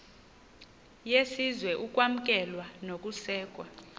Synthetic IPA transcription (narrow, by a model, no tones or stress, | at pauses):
jesizwɛʔukʼwam̩kʼɛlwanokʼusɛːkʼwa